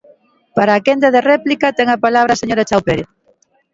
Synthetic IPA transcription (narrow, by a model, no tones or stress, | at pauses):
paɾaːkend̪eðerɛplikɐt̪ɛŋapalaβ̞ɾaseɲoɾat͡ʃawpeɾe